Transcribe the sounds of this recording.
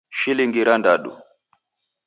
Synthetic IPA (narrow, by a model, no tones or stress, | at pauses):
ʃiliŋɡiɾandaɗṵ